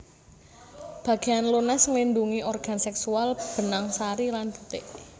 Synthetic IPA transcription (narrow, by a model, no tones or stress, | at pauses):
b̥ä̤ɡ̥e̤anlonasəŋlinduŋiʔɔrɡ̥a̤nsɛksualb̥ə̤naŋsaɾilanb̥u̥t̪eʔ